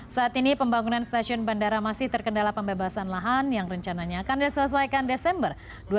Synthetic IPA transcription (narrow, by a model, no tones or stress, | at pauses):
saːt̪inipəmbaŋunanst̪asiʊnbandaɾamasɪht̪ərkəndalapəmbebasanlaɦanjaŋrəɲt͡ʃanaɲaːkandisələs̬ajkandesɛmbər | du